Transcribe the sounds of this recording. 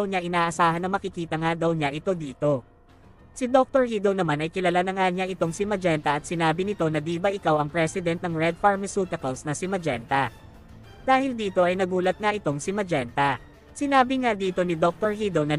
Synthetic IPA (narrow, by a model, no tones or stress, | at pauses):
wɲaʔɪnaːʔɐsaːhɐnːɐŋmɐkɪkiːt̪ɐŋad̪ɐwɲaʔɪt̪o̞d̪iːt̪o̞ | sɪd̪o̞k̚t̪oɹhid̪ownɐmanɐjkɪlɐlanɐŋaɲaʔɪt̪o̞ŋsɪmɐd͡ʒɛnt̪ɐʔɐt̪̚sɪnaːbɪnɪt̪o̞nɐd̪iːbɐʔɪkawɐŋpɾɛsɪd̪ɛnt̪̚nɐŋɹɛd̪̚fɐɹmɐsuːt̪ɐkɐlsnɐsɪmɐd͡ʒɛ̰nt̪ɐ | d̪̥aːhɪld̪iːt̪o̞ʔɐjnɐɡuːlɐt̪̚ŋaʔɪt̪o̞ŋsɪmɐd͡ʒɛnt̪ɐ | sɪnaːbɪŋad̪iːt̪o̞nɪd̪ok̚t̪oɹhid̪ownɐ